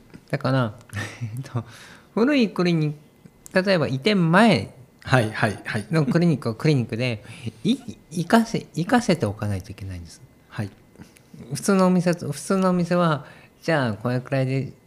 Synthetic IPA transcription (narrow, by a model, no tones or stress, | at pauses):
d̪̥akaɾaeet̪ʰoɸɯ̟ɾɯ̟ikɯ̟ɾʲiɲ̟ik | t̪at̪o̞e̞bait̪ẽ̞mːae̞haihaiaino̞kkɯ̟ɾʲiɲ̟ikːɯakɯ̟ɾʲiɲ̟ikːɯ̟d̪e̞iikaseikase̞t̪e̞o̞kanait̪oike̞naĩnd̪esɨ̥ | hai | ɸɯ̟̥t͡sɨːno̞ːmʲiseɸɯ̟̥t͡sɨːno̞ːmʲise̞βad͡ʑaːko̞ɾekɯ̟ɾaid̪e̞